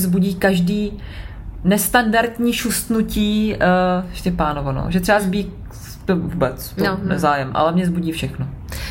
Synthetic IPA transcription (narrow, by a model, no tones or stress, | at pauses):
zbuɟiːkaʒdiː | nɛst̪andaɾt̪ɲiːʃust̪nuciː | ʃcɛpaːnovono̰ːʒɛt̪rɛbazbiːk | t̪ovubɛt͡stonɛ̰zaːjɛmʔa̰lɛmɲɛzbuɟiːfʃɛxno